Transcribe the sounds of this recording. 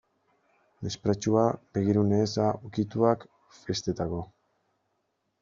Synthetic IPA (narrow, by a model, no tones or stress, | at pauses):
mespɾat͡ʃuabe̞ɣ̞iɾuneːsaukit̪uak | fe̞st̪e̞t̪ako̞